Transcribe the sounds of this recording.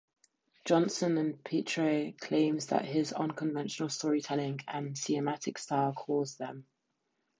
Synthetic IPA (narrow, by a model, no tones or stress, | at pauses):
d̥ʒ̥ɒ̃nsə̃nə̃npʰiˑt͡ʃɹ̥əkʰl̥ẽɪ̃mzðə̰ʔɦɪzə̰̃nkʰə̃ɱvɛ̃nʃənəlˠstɔːɹitʰɛlɪ̃ŋə̃nsiəmatʰɪkstɑːkʰɔːzðə̃m